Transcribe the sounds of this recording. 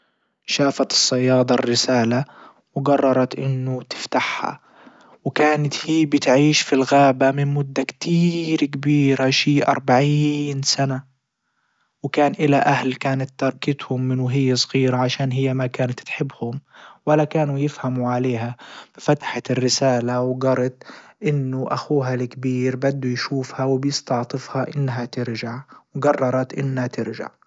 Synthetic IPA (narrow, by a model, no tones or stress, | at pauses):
ʃaːfat̪ɨ̥sˤːɑjːɑːd̪ˤɑrːɪsaːla | wɪɡɑrˤːɑɾˤɑt̪ʔɪnːʊt̪ɪ̥ft̪aħha̰ | wkaːnat̪hiːbɪt̪ʕiːʃfilɣaːbamɪnmʊd̪ːakt̪iːɾkabiːɾaʃiːʔɑ̰ɾˤbaʕiːnsana | wɪkaːnʔɪlaʔahlkaːnat̪ːɑɾˤkɪt̪hʊmːɪnuɦɪjːasˤɣiːɾaʕaʃaːnɦɪjːamakaːnat̪t̪ħɪbːhʊmwalːakaːnujɪfhamuʕaleːɦab̥ɪfat̪ḁħarːɪsaːlawɡɑɾˤɑt̪ʔɪnːʊʔa̰xuːɦalkbiːɾbad̪ːujʃuːfhawɪbjɪst̪ɑʕt̪ˤɨfhaʔɪnːɦat̪ɪɾʒaʕwɡɑrˤːɑɾˤɑt̪ʔɪnːhat̪ɪɾʒa̰ʕ